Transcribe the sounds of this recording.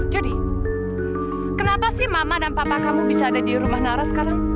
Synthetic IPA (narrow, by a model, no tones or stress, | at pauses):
d͡ʒadi | kənapasɪhmamadanpapakamubisaːdadiɾumahnaɾasə̥kaɾaŋ